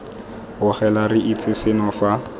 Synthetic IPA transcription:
ɣʊχɛlarɪʔit͡sʰʼɪsɪnɔfa

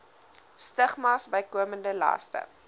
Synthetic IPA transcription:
stəχmɑsbəjkuəməndəlɐ̰stə̰

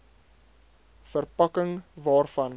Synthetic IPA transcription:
fərpɐkəŋvɑːrfɐn

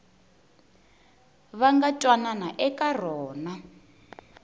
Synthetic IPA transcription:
βaŋɡatʼwananaʔɛkʼar̤ɔːna

